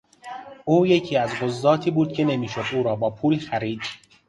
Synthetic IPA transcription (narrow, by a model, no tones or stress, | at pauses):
ʔuːjecʰiːæzɢozːɒːt̪ʰiːbuːd̪̚cʰe̞ne̞miːʃo̞d̪ʔuːɾɒːbɒːpʰuːlxæɾiːd̪